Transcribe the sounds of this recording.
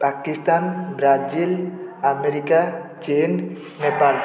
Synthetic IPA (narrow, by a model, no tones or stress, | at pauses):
pakist̪anbɾad͡ʒilameɾikat͡ʃenː | epal